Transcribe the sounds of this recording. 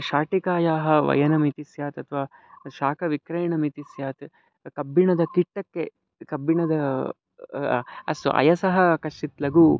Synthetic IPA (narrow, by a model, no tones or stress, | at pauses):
ʃaːʈikaːjaːɦɐʋɐ̰jɐnɐmit̪isjaːt̪ɐt̪ʰʋaːʃaːkʰɐʋikɾɐjɳɐmit̪isjaːt̪ | kɐbːiɳɐd̪ɐkiʈːɐkːe | kɐbːiɳɐd̪ɐ | ɐ̰sʔɐ̰jɐsɐɦɐkɐʂit̪lɐɡu